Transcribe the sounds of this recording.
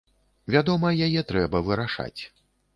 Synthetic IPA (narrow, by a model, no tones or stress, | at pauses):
vʲad̪ɔmɐjajɛt̪ɾɛbɐvɨɾaʂa̰t͡sʲ